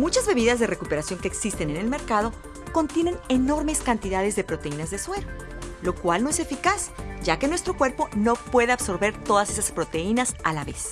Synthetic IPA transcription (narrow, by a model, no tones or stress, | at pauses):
mut͡ʃazβe̞βiðazðe̞rekupe̞ɾasjo̞ŋkeeksist̪e̞nene̞lme̞ɾkaðo̞ | ko̞nt̪je̞ne̞ne̞no̞ɾme̞skant̪iðað̞e̞zðe̞pɾo̞t̪e̞inazðeswe̞ɾo | lo̞kwalno̞e̞se̞fikasɟ͡ʝake̞nwe̞st̪ɾo̞kwe̞ɾpo̞no̞pwe̞ðeaβso̞ɾβe̞ɾt̪o̞ðase̞saspɾo̞t̪e̞inasalaβe̞̰s